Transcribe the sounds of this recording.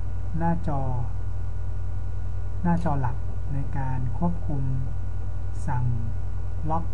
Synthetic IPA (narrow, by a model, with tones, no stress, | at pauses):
naː˥˩t͡ɕɔː˧ | naː˥˩t͡ɕɔː˧la˨˩k̚ | na˧jkaː˧nkʰu˥˩əp̚kʰu˧m | sa˨˩ŋ | la˦˥k̚